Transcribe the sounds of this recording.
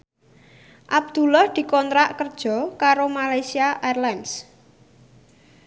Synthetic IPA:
ʔab̚d̪̥ṳlahd̪̥i̤kɔnt̪ɾaʔkərd̥ʒ̥ɔ̤kaɾomalajsiaʔarlans

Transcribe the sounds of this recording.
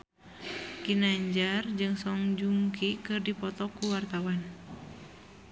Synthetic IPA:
kinaɲd͡ʒard͡ʒɨŋsɔŋd͡ʒuŋkʰikɨrdipɔt̪ɔkuwart̪awan

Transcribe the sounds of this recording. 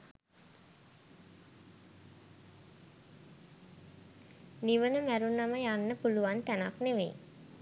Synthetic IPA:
niʋənəmæɾunːaməjanːəpuluʋant̪ænakneʋḛj

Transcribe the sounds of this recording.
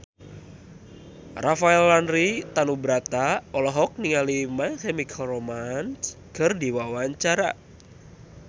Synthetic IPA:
rafaɛlːanrit̪anubɾat̪aɔlɔɦɔk̚niŋalimakɛmikʰromanskɨrdiwawaɲt͡ʃaɾa̰

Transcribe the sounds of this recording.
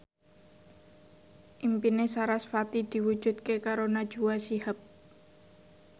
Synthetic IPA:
ʔimpinesaɾasfat̪id̪̥i̤wud̥ʒ̥ṳt̪̚kekaɾonad̥ʒ̥uwasiɦap̚

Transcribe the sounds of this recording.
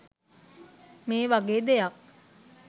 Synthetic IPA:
meːʋaɡeːd̪ejak̚

